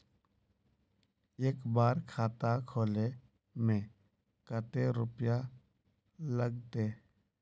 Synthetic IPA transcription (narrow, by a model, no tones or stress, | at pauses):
eːkbaːɾkʰaːt̪akʰoːle | mẽ | kət̪eɾʊpja | ləɡt̪eː